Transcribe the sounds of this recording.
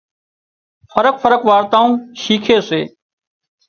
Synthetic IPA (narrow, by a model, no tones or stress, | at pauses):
fəɾək̚fʰəɾəkʋaːɾt̪ãːũːʃiːkʰeːseː